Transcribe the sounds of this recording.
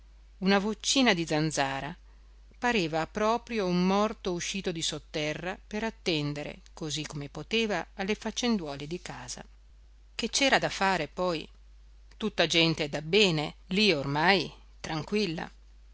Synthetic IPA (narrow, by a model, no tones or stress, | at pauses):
unavot͡ʃːiːnad̪id̪zand̪zaːɾa | paɾeːvapɾɔːpɾjoumːɔrt̪ouʃːiːt̪od̪isot̪ːɛrːapeɾat̪ːɛnd̪eɾḛkozikːomepot̪eːvaːlːefat͡ʃːend̪wɔːled̪ikaːz̥a̰ | ket͡ʃːɛːɾad̪afaːɾepɔj | t̪ut̪ːad͡ʒɛnt̪ed̪abːɛːneliormaj | t̪ɾaŋkwilːa̰